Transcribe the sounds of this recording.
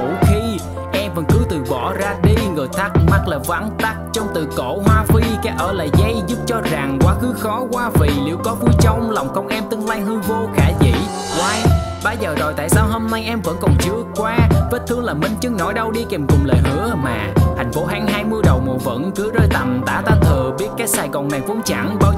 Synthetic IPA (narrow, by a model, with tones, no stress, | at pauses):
ṵ˧˩˨xi˧ | ʔɛ˧mvə̰˧˥nkɨ˨˦t̪ɨ˨˩vɔ̰˧˨zaː˧ɗi˧ŋɨː˨˩jt̪ʰa˦˥k̚ma˦˥t̚laː˨˩va̰˧˥nt̪a˦˥k̚t͡ɕɔ˧wŋ͡mt̪ɨ˨˩ko̰˧˥˨ɦwaː˧fi˧kaː˨˦ʔəː˧˩lə̰ː˧˨jza˧jzu˦˥p̚t͡ɕɔ˧za˨˩ŋkwaː˨˦xɨ˨˦xɔ˨˦kwaː˧vi˨˩lḭ˧˩əwkɔ˨˦fɨ˨˦t͡ɕə˧wŋ͡mlɔ˨˩wŋ͡mkə˧wŋ͡mʔɛ˧mt̪ɨ˧əŋlaː˧jhɨ˧vo˧kaː˧˩zḭ˧˨ | kwaː˨˦ | ɓaː˧zəː˨˩ɗɔ̰˨jt̪a̰ː˧˨jsaː˧wɦo˧mna˧jʔɛ˧mvə̰˧˥nkɔ˨˩nt͡ɕɨ˨˦əkwaː˧və˦˥t̚t̪ʰɨ˧əŋlaː˨˩mï˧˩ŋ̟t͡ɕɨ˨˦ŋnɔ˧˩˦jɗə˧wɗi˧ke˨˩mkʊ˨˩ŋ͡mlə̰ː˧˨jɦɨ̰˧˥əmaː˨˩t̪ʰa˨˩jŋ̟fo˨˦ɦaː˨˦ŋɦaː˧jmɨ˧əɗə˨˩wmo̰˧˨və̰˧˥nkɨ˨˦zəː˧jt̪ə˨˩mt̪a̰ː˧˩˥t̪aː˧˩t̪ʰɨ˨˩əɓi˦˥ət̚kaː˦˥jk̚saː˨˩jɣɔ˨˩nmaː˨˩ŋfu˧˦əŋt͡ɕa̰˧˥nɓaː˧